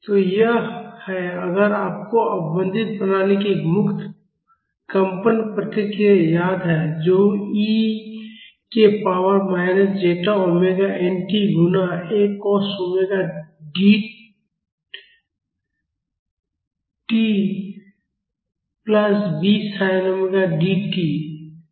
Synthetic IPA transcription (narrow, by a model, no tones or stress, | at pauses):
t̪ojəɦhɛəɡəɾaːp̚koəbə̃nd̪ɪt̪̚bənaːnekimʊkt̪ʰ | kə̃mpənpɾət̪ɪkɾiejaːd̪ɦɛd͡ʒoːi | kepaːwəɾmaːɪnəsd͡ʒeːʈaomeɡaɛnʈiɡʱʊnaeːkɔːsomeɡaɖiː | ʈi | pləsbiːsaːɪnəmeɡaɖiʈiː